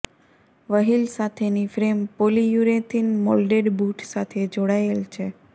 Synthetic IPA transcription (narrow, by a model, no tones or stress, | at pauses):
ʋəɦilsat̪ʰenifɾempolijuɾet̪inmɔlɖeɖbuʈsat̪ʰed͡ʒoɽaelt͡ʃʰe